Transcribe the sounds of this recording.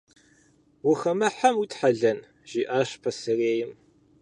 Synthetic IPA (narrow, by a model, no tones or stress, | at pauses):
wʊxɐmɐħamut̪ʰʼħaɮɐn | ʒ̥iʔaːɕpʰɐsɨreːjɪm